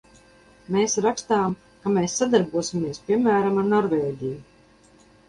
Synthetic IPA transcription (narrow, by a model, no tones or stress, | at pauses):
meːsɾakst̪aːm | kameːsːad̪aɾbuɔsʲimʲiɛspʲiɛmːæːɾamaɾnɔɾveːɟʲiju